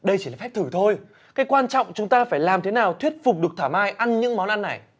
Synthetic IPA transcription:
ɗə˧jt͡ɕi˧˩aː˨˩fɛ˦˥p̚t̪ʰɨ˧˩t̪ʰo˧j | kaː˨˦jkwaː˧nt͡ɕɔ̰˧˨wŋ͡mt͡ɕʊ˨˦ŋ͡mt̪aː˧faː˧˩jlaː˨˩mt̪ʰe˨˦naː˨˩wt̪ʰwi˦˥ət̚fʊ˨˩k͡p̚ɗɨ˨˩ək̚t̪ʰaː˧˩mʔaː˧jʔa˧nɲɨ̰˧˥ŋmɔ˨˦nʔa˧nːa˨˩j

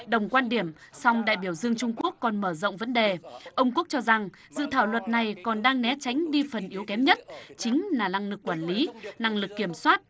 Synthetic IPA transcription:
ɗə˨˩wŋ͡mkwaː˧nɗi˧˩əm | sa˧wŋ͡mɗa̰ː˧˨jɓi˧˩əwzɨ˧əŋt͡ɕʊ˧ŋ͡mku˦˥əkːɔ˨˩nməː˧˩zə̰˧˨wŋ͡mvə˨˦nɗe˨˩ʔə˧wŋ͡mku˦˥ək̚t͡ɕɔ˧za˨˩ŋ | zɨ̰˧˨t̪ʰaː˧˩wlwə˨˩t̚na˨˩jkɔ˨˩nɗaː˧ŋnɛ˨˦t͡ɕa˨˦jŋ̟ɗi˧fə˨˩nʔi˨˦əwkɛ˨˦mɲə˦˥t̚t͡ɕï˨˦ŋ̟laː˨˩na˧ŋlɨ˨˩kːwaː˧˩nli˨˦na˧ŋlɨ˨˩kːi˧˩əmswaː˦˥t̚

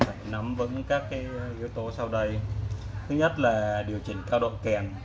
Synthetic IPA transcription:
fa˧˩˨jna˨˦mvə̰˧˥nkaː˦˥k̚ːaː˨˦jʔi˨˧˦əwt̪o˨˦sa˧wɗə˧jt̪ʰɨ˨˦˥ɲə˦˥t̚laː˨˩ɗi˨˩əwt͡ɕï˧˩ŋ̟kaː˧wɗə̰˧˨nkɛ˨˩n

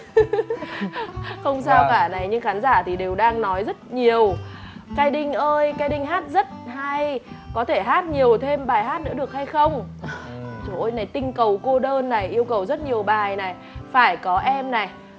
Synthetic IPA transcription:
xə˧wŋ͡msaː˧wkaː˧˩na˨˩jɲɨ˧ŋxaː˨˦nzaː˧˩t̪ʰi˨˩ɗe˨˩wɗaː˧ŋnɔ˨˦jzə˦˥t̚ɲi˨˩əw | kaː˧jɗï˧ŋ̟ʔəː˧jkaː˧jɗï˧ŋ̟ɦaː˦˥t̚zə˦˥t̚ha˧j | kɔ˨˦t̪ʰe˧˩ɦaː˦˥t̚ɲi˨˩əwt̪ʰe˧mɓaː˨˩jɦaː˦˥t̚nɨ̰˧˥ɗək̚ha˧jxə˧wŋ͡m | t͡ɕo˨˧˦ʔo˧jna˨˩jt̪ï˧ŋ̟kə˨˩wko˧ɗəː˧nːa˨˩jʔi˧əwkə˨˩wzə˦˥t̚ɲi˨˩əwɓaː˨˩jna˨˩j | faː˧˩jkɔ˨˦ʔɛ˧mna˨˩j

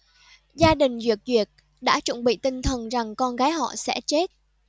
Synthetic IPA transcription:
zaː˧ɗï˨˩ŋ̟vi˨˩ək̚vi˨˩ət̚ | ɗa̰ː˧˥t͡ɕə̰˧˩nɓḭ˧˨t̪ï˧ŋt̪ʰə˨˩nza˨˩ŋkɔ˧nɣaː˨˦jɦɔ̰˧˨sɛ̰˧˥t͡ɕe˦˥t̚

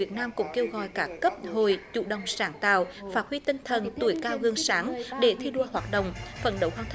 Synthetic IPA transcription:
i˨˩ət̚naː˧mkʊ̰˧˥ŋ͡mke˧wɣɔ̰˧˨jkaː˦˥kkə˦˥p̚ho˧˨jt͡ɕṵ˧˨ɗə˨wŋ͡msaː˨˦ŋt̪a̰ː˧˨wfaː˦˥t̚hwi˧t̪i˧ŋt̪ʰə˨˩nt̪u˧˩əjkaː˧wɣɨ˨˩əŋsaː˨˦ŋɗe˧˩t̪ʰi˧ɗu˧əhwaː˨˩t̚ɗə̰˧˨wŋ͡mfə̰˧˩nɗə˨˦whwaː˧˩t̪ʰ

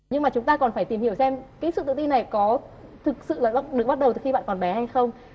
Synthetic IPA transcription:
ɲɨ˧ŋmaː˨˩t͡ɕʊ˨˦ŋ͡mt̪aː˧kɔ˨˩nfaː˧˩jt̪i˨˩mhi˧˩əwsɛ˧mkaː˨˦sɨ̰˧˨t̪ɨ̰˧˨t̪i˧na˨˩jkɔ˨˦t̪ʰɨ˨˩k̚sɨ̰˧˨laː˨˩ɓ̚ɗɨ˨˩ɓa˦˥t̚ɗə˨˩wt̪ɨ˨˩xi˧ɓa̰ː˧˨kɔ˨˩nɓɛ˨˦ha˧jxə˧wŋ͡m

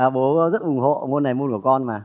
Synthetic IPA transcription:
ʔaː˨˩ɓo˨˦˧zə˦˥t̚ʔʊ˨˩˦ŋ͡mɦo̰˧˨mo˧nːa˨˩jmo˧nku˧˩kɔ˧nmaː˨˩

